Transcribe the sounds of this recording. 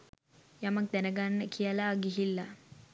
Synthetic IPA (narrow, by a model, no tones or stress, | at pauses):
jamak̚d̪ænəɡanːəkʰijəlaːɡiɦilːa